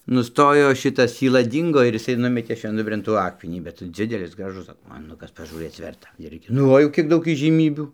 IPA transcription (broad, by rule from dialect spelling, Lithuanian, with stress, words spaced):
nʊˈstoːjoː ˈʃʲɪtɐs sʲiːˈlˠɐ ˈdʲiːŋɡoː ɪr jɪˈsɐɪ ˈnʊmʲɛtʲeː ʃʲʋʲɛnˈdʊbʲrʲeːn ˈtuː ˈɑːkmʲɛnʲiː bʲɛt ˈd͡zʲɪdʲɛlʲɪs ˈɡrɑːʒʊs ˈɡrɑːʒʊs ɐkmʲɛˈnʊkɐs pɐʒuːˈrɘt͡s ˈʋʲɛrtɐ ˈɪrʲɡʲɪ nʊ ˈʋɐ jɛʊ ˈkʲiɛk ˈdɐʊk iːʒʲiːˈmʲiːbʲuː